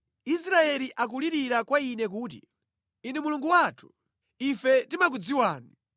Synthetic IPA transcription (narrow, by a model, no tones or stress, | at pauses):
isɾaɛliʔak̬uliɾiɾakwainɛk̬uːt̬ḭ | inɛmuluŋɡuwaːtʰu̥ | ifɛtimak̬ud͡ziwaːni